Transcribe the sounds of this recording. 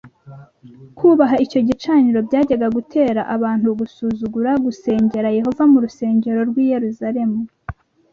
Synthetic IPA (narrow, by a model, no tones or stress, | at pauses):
kʰuːβaɦaico̞ɟit͡ʃaːniɾo̞bɟaːɟaɡaɡutʰe̞ːɾaʔaβaːn̥huɡusuːzuɡuɾaɡuse̞ːɲɟe̞ɾaje̞ɦo̞vamuɾuse̞ːɲɟe̞ɾo̞ɾɡwiːje̞ɾuzaɾe̞mu